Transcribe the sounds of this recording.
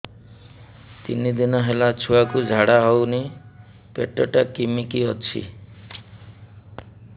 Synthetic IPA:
t̪ḭnid̪inɔɦelat͡ʃʰuakud͡ʒʱaɽaɦɔwni | peʈɔʈakimikiɔt͡ʃʰḭ

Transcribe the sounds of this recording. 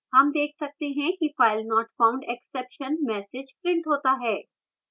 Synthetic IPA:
hɐmd̪eːkʰsɐk̚t̪eɦɛ̃kifaːɪlnɔːʈfaːʊ̃ɳɖɛksɛːpʃənmɛːsɪd͡ʒpɾɪ̃ɳʈɦoːt̪aɦɛː

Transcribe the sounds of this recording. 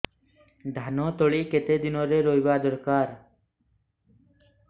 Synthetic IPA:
d̪ʱanot̪ɔɭiket̪ed̪inoɾeɾoɦjbad̪ɔɾkaɾ

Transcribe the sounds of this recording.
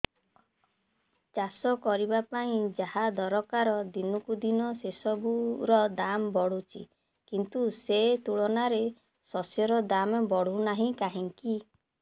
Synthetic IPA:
t͡ʃasɔkɔɾibapaĩd͡ʒaɦad̪ɔɾɔkaɾɔd̪inukud̪inɔsesɔbuɾɔd̪ambɔɽ̤ut͡ʃʰḭ | kint̪uset̪uɭɔnaɾe | sɔsjɔɾɔd̪ambɔɽ̤unaɦĩkaɦiŋki

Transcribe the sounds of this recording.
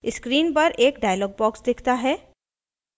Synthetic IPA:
ɪskɾiːnpɐɾʔeːkɖaːjəlɔːɡ̚bɔːksd̪ɪkʰt̪aɦɛː

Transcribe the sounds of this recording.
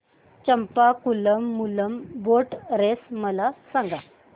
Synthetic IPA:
t͡ɕəmpakuləmːuləmboʈɾesməlasãŋɡa

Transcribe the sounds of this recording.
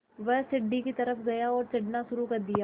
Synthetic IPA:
ʋɛɦsɪɖːikit̪ɐɾəfʰɡɐjaɔːɾt͡ʃɪɖnaʃʊɾukɐɾd̪ijaː

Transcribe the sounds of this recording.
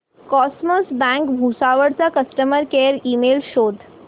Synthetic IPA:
kɔsməsbæ̃ŋkbʱusaʋəɽt͡sakəsʈəməɾkeɾiːmelɕod̪ʱ

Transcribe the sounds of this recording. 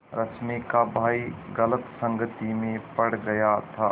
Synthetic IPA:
ɾɐt͡ʃmikabʱaːiɡɐlət̪sə̃ŋɡət̪imẽpɐɽ̤ɡɐjat̪ʰa

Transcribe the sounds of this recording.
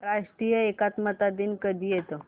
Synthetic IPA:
ɾaʂʈɾijəekat̪mət̪ad̪iːnkəd̪ʱiːjet̪o

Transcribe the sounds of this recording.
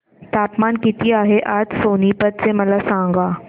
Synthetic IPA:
t̪aːpmaːnkɪt̪iaːɦeʔat̪soːnipət̪̚seməlasãŋ̆ɡaː

